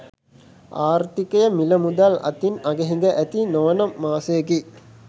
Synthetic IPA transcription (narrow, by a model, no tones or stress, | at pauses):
aːɾt̪ikɐjəmiləmud̪alɐ̰t̪inɐɡeɦiŋɡəʔæt̪inoʋnɐːaːsejɡi